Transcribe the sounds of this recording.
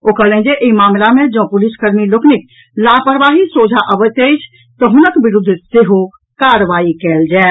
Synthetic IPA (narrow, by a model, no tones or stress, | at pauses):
oːkələ̃d͡ʒeʔemaːmlamẽd͡ʒɔ̃ːpʊliskəɾmilokʰnɪk | laːpəɾʋaːɦisoːd͡ʒʱaʔəʋət̪ejt͡ʃʰ | t̪ɔɦʊnəkbɪɾʊd̪ʱːseɦo | kaːɾəʋaːikɛːld͡ʒaː